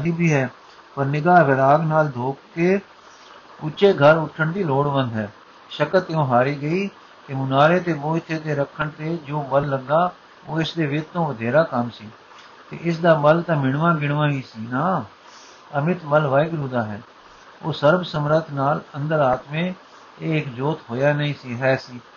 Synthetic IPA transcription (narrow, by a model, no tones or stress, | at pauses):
ɦiːbʱiːɦɛː | pəɾnɪɡaːʋɪɾaːɡnaːld̪ʱoːkkeː | ʊt͡ʃeːɡʱəɾʊʈʰːəɳd̪iːloːɽʋə̃nd̪ɦɛː | ʃəkət̪ɪõːɦaːɾiːɡəiː | t̪eːmʊnaːɾeːt̪eːboːɪt̪ʰːeːt̪eːɾəkʰːəɳt̪eːd͡ʒoːbəlːəɡːaː | oːɪsd̪eːʋɪt̪t̪õːʋəd̪ʱeːɾaːkəmsiː | t̪ḛːʔɪs̬d̪aːbəlt̪ãːmɪɳʋãːɡɪɳ̃ʋãːɦiːsiːnaː | əmɪt̪bəlʋaːɪɡɾuːd̪aːɦɛː | oːsəɾbsəmɾət̪ʰnaːlənd̪əɾaːt̪mẽː | eːɪkd͡ʒoːt̪ɦoːjaːnəĩːsiːɦɛːsiː